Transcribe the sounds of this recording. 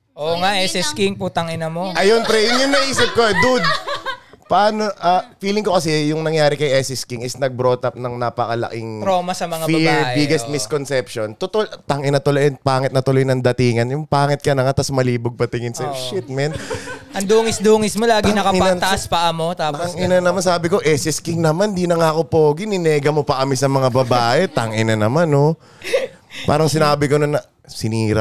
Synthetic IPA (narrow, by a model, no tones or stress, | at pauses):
ʔoːŋaʔɛsɛskɪŋput̪ɐŋɪnɐmo̞ʔɐjonpɾɛʔɪnjʊŋnɐʔiːsɪp̚koɛd̪ud̪̚ | pɐʔaːnoʔɐfiːlɪŋkokɐsɛjʊŋnɐŋjaːɾɪkɐjʔɛsɪskiŋɪsnɐɡ̚bɾoːt̪ɐp̚nɐŋnaːpɐkɐlɐ̰kɪŋɾoːmɐsɐmɐŋafbɐɹːʔbɪɡɛst̪̚mɪskonsɛpʃont̪ʊt̪olt̪aŋɪnɐt̪ʊlojɛnpaːŋɪt̪̚nɐt̪ʊlojnɐŋd̪ɐt̪iːŋɐnjʊŋpaːŋɪt̪̚kɐnɐŋat̪ɐsmɐliːbʊɡ̚pɐt̪ɪŋɪnsɐʃɪt̪̚mɛnʔɐnd̪uːŋɪsd̪uːŋɪsmmolaːɡ̪ianɐkɐpanɐɐʔaspɐʔɐmo̞t̪aːt̪aŋɪnɐnɐmansaːbɪko̞ʔɛsɪskɪŋnɐmand̪inɐŋako̞poːɡɪnɪnɛːɡɐmopɐʔɐmɪsɐmɐŋabɐbaːʔɛt̪aŋʔɪnɐnɐmano | pa̰ːɾɐŋsɪnaːbɪkononɐ | sɪniːɾɐ